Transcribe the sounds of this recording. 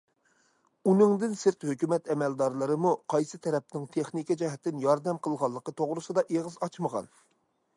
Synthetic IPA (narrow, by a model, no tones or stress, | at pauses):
unɨŋd̪ɪnsɪɾt̪høkʲymɛt̪ɛmɛld̪ɑɾlˠɨɾɨmuqʰɑjsɨt̪ʰɛɾɛp̚nɪŋt̪ʰeχnikʲɛd͡ʒɛɦɛt̪ʰːɪnjɑɾd̪ɛmqʰəlˠʁɑlˠːəqət̪ʰoʁɾɨsɨd̪ɑʔeʁɨzɑt͡ʃʰməʁɑ̰n